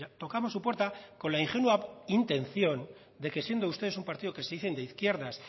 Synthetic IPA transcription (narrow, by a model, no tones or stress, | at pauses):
at̪o̞kamo̞sːupwe̞ɾt̪ako̞nlaiŋxenwuaint̪e̞nθjo̞n | d̪e̞ke̞sje̞nd̪oust̪e̞ð̞esumpaɾt̪iðoke̞seðiθe̞nd̪eiθkje̞ɾðas